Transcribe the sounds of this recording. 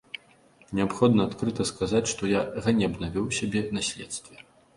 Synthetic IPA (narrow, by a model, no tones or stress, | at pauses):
nʲɛapxɔd̪nɐːt̪kɾɨt̪ɐskazat͡sʲʂt̪ɔjaɣanʲɛɐbnavʲɛwsʲabʲɛnasʲlʲɛt̪st̪vʲɛ